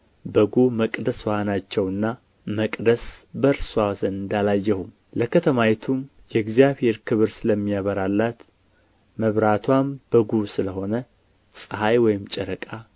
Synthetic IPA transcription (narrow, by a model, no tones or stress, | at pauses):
bəɡuməkʼd̪əswanat͡ʃːɛwɨnːa | məkʼd̪əsbəɾsuawzənɨnd̪alajːɛhum | ləkʰət̪ʰəmajɛt̪ʰum | jɛɡzjaβhe̞ɾkʰɨβɨɾsɨləmːijaβəɾalːat̪ | məβɾat̪ʰwambəɡusɨləɦo̞nə | sʼɨhajwɔjɪmt͡ʃʼɛɾəkʼa